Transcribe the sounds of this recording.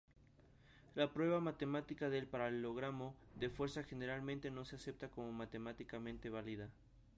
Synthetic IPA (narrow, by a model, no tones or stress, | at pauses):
lapɾwe̞βamat̪e̞mat̪ikaðe̞lpaɾalelo̞ɣ̞ɾamo̞ | ðe̞fwe̞ɾsaxe̞ne̞ɾalmẽnt̪e̞no̞sease̞p̚t̪ako̞mo̞mat̪e̞mat̪ikamẽ̞nt̪e̞β̞aliða